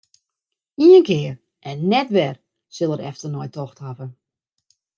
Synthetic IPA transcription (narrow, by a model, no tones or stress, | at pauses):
iənkɪːər | ʔɛnːɛtʋɛr | sɪlˠəɾɛ̰ftərnɔjtɔxthavə